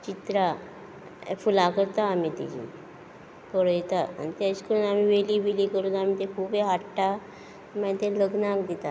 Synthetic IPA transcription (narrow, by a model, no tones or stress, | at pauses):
t͡ɕit̪ɾa | fulakəɾt̪aːmit̪ḭd͡ʑḭ | pəɽt̪aa̰nit̪askəɾunam̤iʋeliːʋeliːkəɾud̪am̤it̪ekʰubeɦaʈʈa | mãt̪eləɡnakd̪it̪a